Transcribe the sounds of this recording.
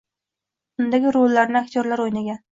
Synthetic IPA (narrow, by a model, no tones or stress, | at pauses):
ʊnd̪aɡʲɪɾolːaɾnɪakt̪ʰjɒɾlaɾojnaɡʲan